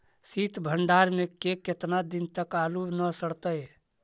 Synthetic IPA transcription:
sit̪bʱəɳɖaɾmekeket̪nad̪int̪əkalunəsəɽt̪əj

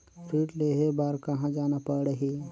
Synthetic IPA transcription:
ʈiːʈleɦebaːɾkɐɦãd͡ʒaːnapəɽɽəɦi

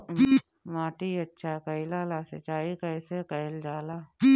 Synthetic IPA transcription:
maːʈiɐtːʃʰakɐilaːlasḛt͡ʃaːikɐɪsekɐjld͡ʒaːla

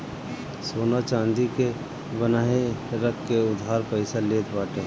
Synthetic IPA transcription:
soːnat͡ʃãːnd̪ike | bənaːeɾəkːeʊd̪ʱɦaːɾpəɪsaleːt̪ʰbaːʈe

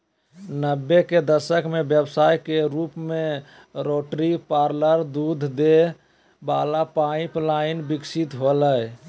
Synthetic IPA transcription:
nəbːeked̪əsəkmebjəbsajkeɾupme | ɾoʈɾipaɾləɾd̪ud̪ʱd̪e | balapaĩplaɪnbiksit̪ɦoləj

